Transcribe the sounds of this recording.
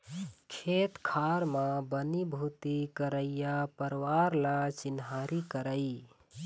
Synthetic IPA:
kʰet̪kʰaɾmãbənibʱut̪ikəɾəjjapəɾwaɾlat͡ʃinɦaɾikəɾəi

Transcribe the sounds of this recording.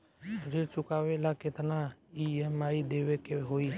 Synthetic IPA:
ɾet͡ʃʊkaːwelakɪt̪naiemaːid̪ewekeɦoi

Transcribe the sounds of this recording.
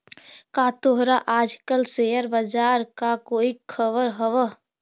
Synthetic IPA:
kat̪oɦɾaʔaːd͡ʒkəlsejəɾbəd͡ʒaːɾkakoːikʰəbəɾɦəʋə

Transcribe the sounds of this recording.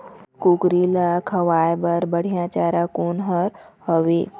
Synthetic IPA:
kukɾilakʰəʋajbəɾbəɽ̤ijãt͡ɕaɾakonɦəɾhəʋe

